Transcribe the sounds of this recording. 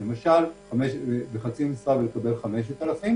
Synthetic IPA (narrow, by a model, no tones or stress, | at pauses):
lemaʃalameʃebeχat͡simesʁavelekabe̞lχameʃ̬et̪alafim